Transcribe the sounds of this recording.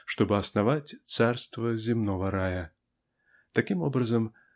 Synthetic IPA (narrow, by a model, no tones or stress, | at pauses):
ʂt̪ɔbɨasnavat͡sʲt̪sarst̪vɐzʲimnɔvɐɾajɐ | t̪akʲimɔbɾɐzɐm